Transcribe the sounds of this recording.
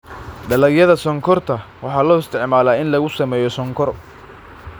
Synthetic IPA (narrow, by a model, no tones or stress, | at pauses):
ɖɐlɐɡjɐðɐsɔŋkʰɔrt̪ʰɐwɑħɑːlɔːɪst̪ʰɪʕmaːlaːɪnlɐɣʊsɐmɛːjɔsɔŋkʰɔr